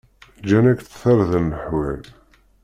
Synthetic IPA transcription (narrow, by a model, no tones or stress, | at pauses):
d͡ʒænækθθəɾðənːəħwæl